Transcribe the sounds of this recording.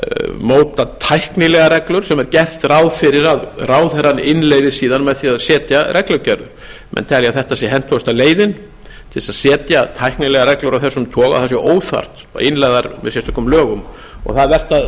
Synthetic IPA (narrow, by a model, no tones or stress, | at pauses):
moːwt̪at̪ʰajhknɪlɛɣaɾɛklʏɾ̥sɛmɛɾcɛht̪raːwðfɪɾɪɾaðraːwðθɛɾanɪnleːjðɪsiːðanmɛðθiaðsɛːt̪jaɾʔɛklœcɛɾðʏ | mʔɛ̰nt̪ʰɛljaðθɛht̪asjɛɦɛn̥t̪ʰoʏst̪aleːjðɪn | t̪ʰɪlsaðsɛːt̪jat̪ʰajhknɪlɛɣaɾɛklʏɾawθɛsːʏmt̪ʰɔːɣa̰wθasjɛʔoːwθa̰r̥t̪a̰ɪnlajðaɾmɛ̰ðsɛst̪ʏ̥kːʏmlœːɣʏm | ɔ̰ɣθaðvɛr̥t̪að